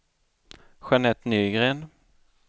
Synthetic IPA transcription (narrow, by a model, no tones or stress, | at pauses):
ɧanɛt̪ːnyːɡɾeːn